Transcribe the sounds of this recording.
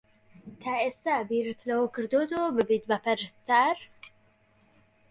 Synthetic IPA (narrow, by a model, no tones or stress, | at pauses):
t̪ʰaest̪abiɾɨt̪ʰlɐwokʰɨɾd̪ot̪obɨbid̪bapʰɐɾst̪aɾ